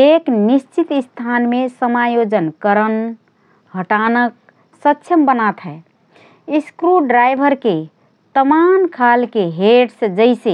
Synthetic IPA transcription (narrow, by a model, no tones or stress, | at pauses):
eknist͡ʃit̪st̪ʰanmesəmajod͡ʒənkəɾən | ɦəʈanək̚ | sətːʃʰjəmbənat̪ɦɛ | iskɾuɖɾajbʱəɾke | t̪əmankʰalkeɦeɖsd͡ʒəɪse